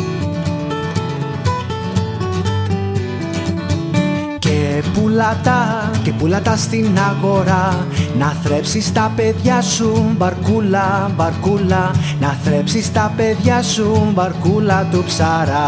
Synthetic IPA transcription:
kepulat̪akepulat̪ast̪inaɣoɾa | naθɾɛpsist̪apeðjasumbaɾkulabaɾkulanaθɾɛpsist̪apeðjasumbaɾkulat̪upsaɾa

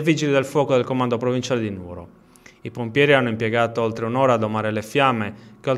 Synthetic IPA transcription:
vid͡ʒilid̪elfwɔːkod̪ɛlkomand̪opɾovint͡ʃaːled̪inṵːɾo̰ | ipompjɛːɾianːoimpjɛɡaːt̪oolt̪ɾeunɔːɾaːd̪omaːɾelefjamːekeo

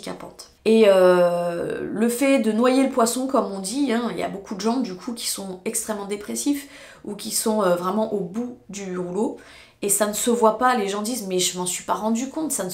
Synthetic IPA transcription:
ika̰pɑ̰̃t̪ | eø | ləfɛd̪ənwajeləpwasɔ̃kɔmɔ̃d̪iɛ̃ilja̰bokud̪əʒɑ̃d̪ykʰukʲi̥sɔ̃ɛkst̪χɛmːɑ̃d̪epχesif | ukʲisɔ̃øvʁɛmɑ̃ʔobud̪yʁulo | esanəsəvwapaleʒɑ̃d̪izmɛʒəmɑ̃sɥipaʁɑ̃d̪ykɔ̃t̪san

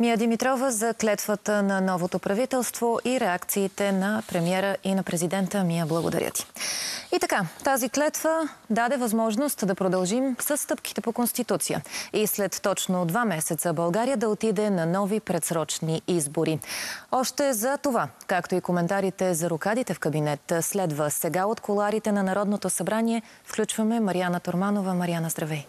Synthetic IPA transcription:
miəd̪imit̪ɾɔvəzɐklɛt̪vət̪ənɐnɔvot̪opɾɐvit̪ɛlˠst̪voʔiɾɛakt̪siːt̪ɛnɐpɾɛmiɛɾəʔinɐpɾɛzid̪ɛnt̪əmijəblˠəɡo̰d̪ɐ̰ɾʲjə̰t̪i̥it̪ɐkat̪aziklɛt̪vəd̪ad̪ɛvɐzmɔʒnost̪d̪ɐpɾod̪ɐlˠʒimsəsːt̪ɤpki̥t̪ɛpokonst̪it̪ut̪sijə̰islɛt̪ːɔt͡ʃnod̪vamɛsɛt̪səbɐlˠɡaɾijəd̪ɐot̪id̪ɛnɐnɔvipɾɛt̪sɾɔt͡ʃniizboɾiɔʃt̪ɛzɐt̪ovakakt̪oikomɛnt̪aɾit̪ɛzɐɾokad̪it̪ɛfkɐbinɛt̪slɛd̪vəsɛɡaot̪kʰolˠaɾit̪ɛnɐnɐɾɔd̪not̪osɐbɾaniɛ | fklʲut͡ʃvəmɛmɐɾianət̪oɾmanovəmɐɾianəzd̪ɾɐvɛj

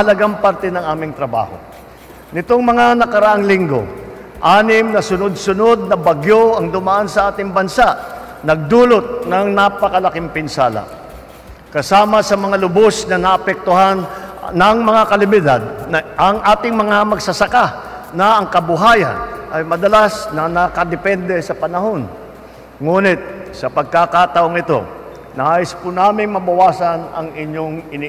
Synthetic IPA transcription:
ɐlɐɡaŋpaɾt̪ɛnɐŋaːmɪŋt̪ɾɐba̰ːho̞̰ | nɪt̪oŋmɐŋanɐkɐɾɐʔaŋlɪŋɡo̞̰ | ʔaːnɪmnɐsʊnod̪̚sʊnod̪̚nɐbɐɡjo̞ʔɐŋd̪ʊmaʔansɐʔaːt̪ɪŋbɐnsaʔ | nɐɡ̚d̪uːlot̪̚nɐŋnapɐkɐlɐkɪŋpɪnsaːlɐ̰ | kɐsaːmɐsɐmɐŋalʊbosnɐnɐʔɐpɛk̚t̪ʊɦanːɐŋmɐŋakɐlɪbɪd̪ad̪̚ʔɐŋʔaːt̪ɪŋmɐŋamɐɡsɐsɐka | nɐɐŋkɐbʊɦaːjɐ̰nʔɐjmɐd̪ɐlasnɐnɐkɐd̪ɛpɛnd̪ɛsɐpɐnɐɦo̞n | ŋuːnɪt̪̚sɐpɐɡ̚kakat̪ɐʔo̞ŋɪt̪o̞̰ | naʔɪspʊnaːmɪŋmɐbɐwaːsɐnɐ̰ŋɪɲjo̞ŋɪni

